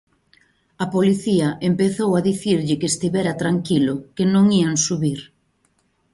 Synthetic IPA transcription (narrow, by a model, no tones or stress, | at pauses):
ɐpoliθiɐʔempeθowaðiθiɾʎɪkest̪iβɛɾɐt̪ɾaŋkilʊkenõŋiaŋsuβiɾ